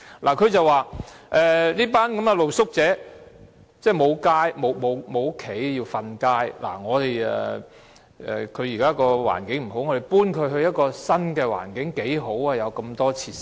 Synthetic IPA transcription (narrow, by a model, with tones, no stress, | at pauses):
lʔaː˨˩kʰɵ˨˧ɥt͡sɐ˨waː˨ʔɛː˨liː˥paː˥nkɐ˨˥mɡɛ˧lo˨wsʊ˥k̚t͡sɛː˨˥ | t͡sɛː˥˩mo˨˧wkaː˥jmo˨˧wmo˨˧wmo˨˧wkʰːe˨˥jjiː˧wfɐ˧nkaː˥jla̰ː˨˩ŋɔː˨˧t̪e˨jɛ̰˨ | ʔɛ̰ː˨kʰɵ˨˧ɥjiː˨˩kaː˥kɔː˧wa̰ː˨˩nkɪ˨˥ŋm̩˨˩ɦo˨˥wŋɔ˨˧ɾe˨˩jpuː˥nkʰɵ˨˧ɥɦɵ˧ɥjɐ˥t̚kɔː˧sɐ˥nkɛː˧wa̰ː˨˩nkɪ˨˥ŋke˨˥jɦo˨˥wa˨˧jɐ˨˧wkɐ˧mt̪ɔː˥t͡sʰiː˧˥s